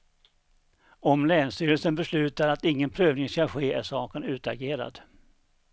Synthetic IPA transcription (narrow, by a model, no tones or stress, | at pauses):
ɔmlɛːnst̪yːɾəlsənbɛslʉ̟ːt̪aɾat̪ɪŋːənpʰɾøːvnɪŋskaɧeːʔæʂɑːkənʉ̟ːt̪aɡeːɾa̰d̪